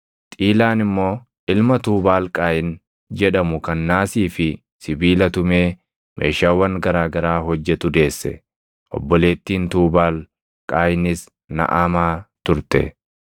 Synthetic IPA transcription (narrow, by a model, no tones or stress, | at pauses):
t̪ʼiːlaːnɪmːo̞ː | ʔɪlmɐt̪uːbaːlkʼaːjɪn | d͡ʒɛᶑɐmʊkɐnːaːsiːfɪ | sɪbiːlɐt̪ʊmeː | mʔeːʃaːwːɐŋɡɐɾaːɡɐɾaːɦɔd͡ʒːɛt̪ʊd̪e̞ːsːɛ̰ | ʔɔ̰bːɔle̞ːt̪ːiːnt̪uːbaːl | kʼaːjɪnɪs | nɐ̰ʔamaːt̪ʊɾt̪ɛ̰